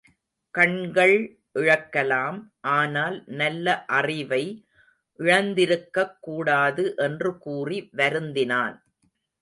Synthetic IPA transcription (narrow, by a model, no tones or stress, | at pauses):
kɐɳɡɐɭ | ʔɪɻɐkːɐlaːmʔaːnaːlnɐlːɐʔɐrɪʋɐɪ | ʔɪɻɐnd̪ɪɾɯkːɐkːuːɽaːðɯʔɛndrɯkuːriʋɐɾɯnd̪ɪnaːn